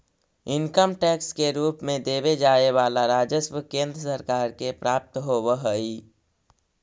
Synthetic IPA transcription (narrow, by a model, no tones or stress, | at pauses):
ɪnkəmʈɛːkskeɾuːpmẽd̪eːβed͡ʒaːeʋaːlaɾaːd͡ʒəsbəkẽːnd̪ɾəsəɾkaːɾkepɾaːp̚t̪ɦoʋəɦəi